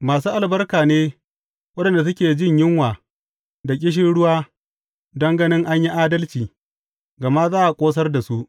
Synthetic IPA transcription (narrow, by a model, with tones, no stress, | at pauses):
maː˨suː˦ʔa˨lbɐ˦rkaː˨neː˦ | wɐ˦ɗɛ˨nda˨s̬ʊ˦kʲeː˨d͡ʒɪ˦ɲjɪ˦ŋwaː˨ | da˨kʲʼɪ˦ʃ̬ɪ˦nɽʊ˦waː˦ | dɐ˦ŋɡɐ˦nɪ˦ŋʔa˦ɲji˦ʔaː˦dɐ˦lt͡ʃiː˨ | ɡɐ˨ma˦zaː˦ʔa˨kʷʼoː˦s̬ɐ˦rda˨su˦ʔ